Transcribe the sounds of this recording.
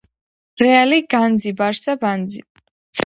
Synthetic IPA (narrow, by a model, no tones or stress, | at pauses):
ɾɛaliɡ̥and̪zibaɾsaband̪zi